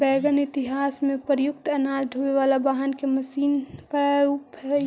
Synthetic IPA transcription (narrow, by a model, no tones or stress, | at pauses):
bɛːɡənɪt̪ɪɦaːsmẽpɾjʊk̚t̪ɐnaːd͡ʒd̪ʱuʋeʋaːlabaːɦənkemɐsiːnpɾaɾuːpɦɛ